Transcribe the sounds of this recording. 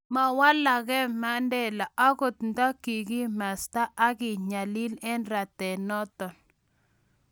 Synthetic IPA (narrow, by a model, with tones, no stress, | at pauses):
ma˨wa˦la˨ɣɛ˦ma˦ndɛ˦la˨ʔa˦ɣo˨t̪nda˦ki˨kɪ˦ma˨sta˦ʔa˦ɣɪ˨ɲa˨li˦lɛ˦nɾa˨tɛ˨nɔ˦tɔ˨n